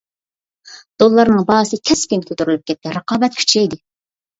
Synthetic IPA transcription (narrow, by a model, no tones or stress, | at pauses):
d̪̥olˠːɑɾnɨŋbɑsɨkʲʰɛskʲinkʲʰøt̪ʰyɾylyp̚kʲʰɛt̪̚kʲːɛɾəqɑːbɛt̪̚kʲʰy̥t͡ʃʰɛjd̪ɪ